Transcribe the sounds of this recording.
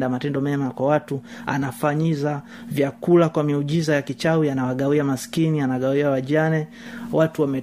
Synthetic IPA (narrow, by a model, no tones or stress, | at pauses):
damatɛndɔmɛmakwawatua̰nafaɲiza | vjakulakwamiuʄizajakit͡ʃawianawaɠawiamaskinianaɠawiawaʄanɛ | watuwamɛ